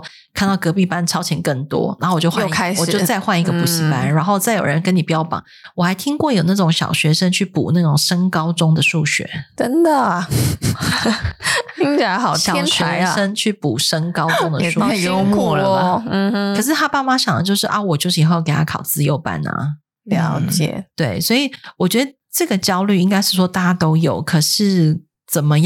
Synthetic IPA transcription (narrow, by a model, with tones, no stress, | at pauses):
kʰnt̪ɑ˥˩ʊkɤ˧˥pi˥˩pa˦nʈ͡ʂʰɑ˥ʊt͡ɕʰjɛ˧˥nkə˥˩ŋt̪wɔ̰˦˥na˨˩˥xo˥˩wjo˥˧ʊxwa˥˧˨kʰɪwɔ˨˩t͡ɕo˥˧ʊt͡sa˥˧ɪxwa˥˩ni˧˥ɡə˨˩pu˧˥ɕi˧˨˩pa˦nɻa˧˦nxo˥˧t͡sa˥˩ɪjo̰˨˩ʊɻə˧˦nkə˥ni˨˩pi˨jɑ˥˩ʊpɑ̰˨˩˦ŋwɔ˨˩xa˧˥ɪt̪ʰi˥ŋkwɔ˥˩jo˨˩ʊna˥˩ʈ͡ʂʊ˧˥ŋɕjɑ̰˨˩ʊɕɥɛ˧˥ʂə˥nt͡ɕʰy˥˩pṵ˨˩na˥˩ʈ͡ʂʊ˨˩ŋʂə˥ŋkɑ˥ʊʈ͡ʂʊ˥ŋd̪ə˨ʂu˥˩ɕɥɛ̰˧˦ʈ͡ʂə˥nd̪ə˨ | i˧˥ŋt͡ɕa˨˧˥xɑ˨˩jɑ˨ɛ˥ʊnɕʰɛ˧˥˦ʂə˥ŋt͡ɕʰy˥˩pu˨˩ʂə˥ŋkɑ˥ʊʈ͡ʂʊ˦˥ŋd̪ə˨ʂu˥˧˥ | ə˨˩ʂ̬ɻ̩˥˩t̪ʰa˥pa˥˩ma˧˦ɕjɑ˨˩ŋd̪ə˦t͡ɕjo˥˧ʊʂɻ̩˥˩ʔa˥˩wɔ˨˩t͡ɕjo˥˧ʊʂ̩˥˧˩xke˨˩ɪa˥kʰɑ̰˨˩ʊt͡sɹ̩˥jo˥˧ʊpa̰˥˩nɐ̰˩ | ljɑ˧˦ʊt͡ɕjɛ̰˨˩t̪we˥˩ɪswɔ˧˥i˨˩wɔ˨˩t͡ɕɥɛ˧˦˥d̪ə˧˦ | ʈ͡ʂɤ˥˩ɡə˩t͡ɕjɑ˥ʊly˥˩i˥ŋka˥ɪʂɻ̩˥˩ʂwɔ˥t̪a˥˩t͡ɕa˥t̪o˥ʊjo˨˩ʊkʰɤ˨˩ʂɻ̩˥˩ | t͡sə˨˩nmə˦